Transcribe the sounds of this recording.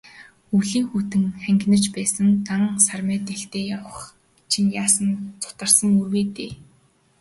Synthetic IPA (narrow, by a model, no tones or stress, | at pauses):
uɮiːŋxut̪ɘ̆ŋχæŋɡʲnə̆rt͡ɕpæːsə̆nt̪aŋsarmœːt̪eɬt̪eːjawə̆χ | t͡ɕʰinjaːsə̆nt͡sʰʊ̥t̪ə̆rsə̆ŋurweːt̪ḛː